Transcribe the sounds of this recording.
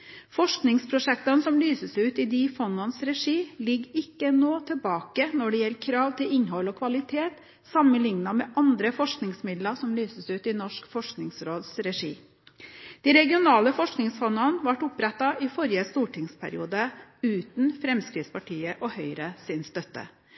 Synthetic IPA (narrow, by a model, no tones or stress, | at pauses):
fɔʂknɪŋspʰɾʊʂɛkt̪ɑnsɔmlyːsəsʉːt̪ɪd̪ifɔnɑnsɾɛʂiːlɪɡɪkːənoːt̪ʰəlbɑːkənɔɖɛjɛlːəkʰɾɑːʋt̪ʰɪlɪnɦɔlɔkʰʋɑlɪt̪ʰeːt̪ | sɑmənlɪŋnɑmɛʔɑnd̪ɾəfɔʂknɪŋsmɪd̪lɑsɔmlyːsəsʉːt̪ɪnɔʂkfɔʂknɪŋsɾoːd̪sɾɛʂḭː | d̪̥iɾɛɡɪʊnɑːləfɔʂknɪŋsfɔnɑnʋɑʈʊpɾɛt̪ːɑʔɪfɔɾjəst̪uːʈɪŋspʰæ̰ɾɪ̰ṵːd̪əʉːt̪n̩fɾɛmskɾiːt̪spʰɑʈʰiːəʔɔhœʏɾəsɪnst̪œt̪ːə̰